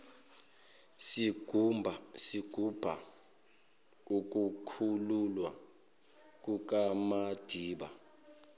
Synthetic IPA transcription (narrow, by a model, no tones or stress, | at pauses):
si̥ | siɡ̥ʱub̥ʱa̰ | uk̬ʼukʰululwa | k̬ʼuk̬ʼamad̥ʱiːɓa̰